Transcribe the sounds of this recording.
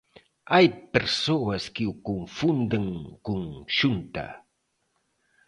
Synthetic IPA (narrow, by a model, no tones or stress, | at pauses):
ajpeɾsowaskɪwkoɱfund̪aŋkoŋʃʊnt̪a̰